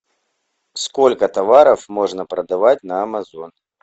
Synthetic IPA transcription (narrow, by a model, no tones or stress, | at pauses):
skolʲkət̪avaɾɐfmoʐnəpɾɐd̪avatʲnɐːmɐzon